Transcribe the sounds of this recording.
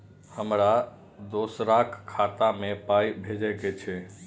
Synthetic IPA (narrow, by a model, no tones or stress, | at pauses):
həmɾa | d̪oːsɾakʰkʰːaːt̪amẽpaːibʱed͡ʒəket͡ʃʰe